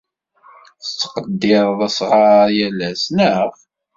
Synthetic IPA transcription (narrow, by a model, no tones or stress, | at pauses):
θət͡sːə̥qəd̪ːɪɾˤðˤæsʁɑɾjælæsnəf